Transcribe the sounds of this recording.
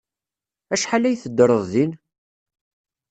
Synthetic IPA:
æʃħalæjθəd̪ːɾˤəðˤðin

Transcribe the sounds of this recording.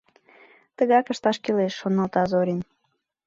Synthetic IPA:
t̪əɣɑkə̆ʃt̪ɑʃkeleʃːonɑlt̪ɑzoɾʲin

